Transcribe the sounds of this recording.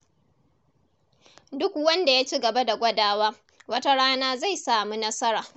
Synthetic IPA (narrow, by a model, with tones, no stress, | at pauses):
dʊ˦kwɐ˦nda˨ja˦t͡ʃi˦ɡɐ˨ba˦da˨ɡʷɐ˦daː˦waː˦ | wɐ˦ta˦ɽaː˦naː˦za˦˨jsaː˨mu˦nɐ˦sɐ˦ɾaː˨